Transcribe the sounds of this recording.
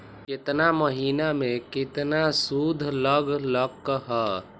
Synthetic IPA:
kɪt̪naməɦiːnamẽkɪt̪nasud̪ʱləɡʱləkːɦɛ

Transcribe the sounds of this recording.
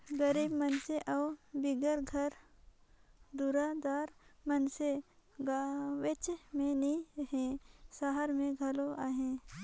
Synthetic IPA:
ɡəɾiːbmənseʔɐwbɪɡəɾɡʱɐɾ | d̪uɾad̪aːɾmɐnseɡʋɪt͡ʃmẽniɦẽːsəɦəɾmẽɡʱɐloaɦẽ

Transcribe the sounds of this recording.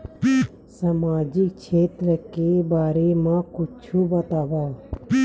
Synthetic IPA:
səmaːd͡ʒɪkt͡ʃʰeːt̪ɾəkebaːɾemãːkʊt͡ʃʰuːbət̪aːʋaː

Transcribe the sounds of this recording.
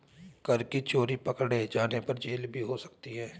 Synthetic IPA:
kəɾkit͡ʃoːɾipɐkɽed͡ʒaːnepəɾd͡ʒeːlbʱiɦosə̥kt̪iɦɛː

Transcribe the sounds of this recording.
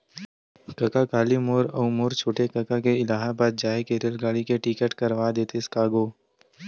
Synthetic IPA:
kɐkakaːlimoːɾɐumoːɾt͡ʃʰoːʈekɐkakeɪlaːɦabaːd̪̚d͡ʒaːɦekeːɾəlɡaːɽikeʈikəʈkɐɾʋad̪eːt̪eskaːɡoː

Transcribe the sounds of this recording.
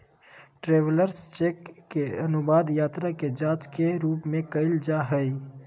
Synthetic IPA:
ʈɾeːʋləɾst͡ʃeːkːeənʊbaːd̪jaːt̪ɾaked͡ʒãːt͡ʃkeɾuːpmẽkəɪld͡ʒaɦəi

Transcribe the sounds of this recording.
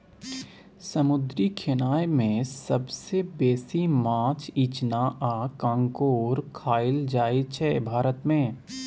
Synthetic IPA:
sɐmʊd̪ɾikʰɪnaːemẽsɐbsebɛːsimãːt͡ʃiːt͡ʃnaːʔakãːŋkoːɾkʰaːɪld͡ʒaːit͡ʃʰɛːbʱaːɾət̪mẽː

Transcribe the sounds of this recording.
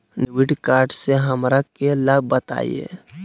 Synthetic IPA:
nwɪʈkaːɾɖseɦəmɾakeləb̚bət̪a̰ːḭḛː

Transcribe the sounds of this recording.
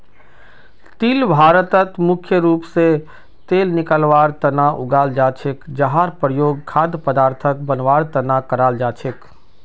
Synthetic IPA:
t̪ilbʱaːɾət̪ət̪mʊkʰjəɾuːpse | t̪eːlnɪkəlʋaːɾt̪ənaʔʊ̰ɡaːld͡ʒaːt͡ʃʰɪkd͡ʒəɦaːɾpɾəjoːɡ̚kʰaːd̪pəd̪aːɾt̪ʰək̚bənʋaːɾt̪ənakəɾaːld͡ʒaːt͡ʃʰɪk

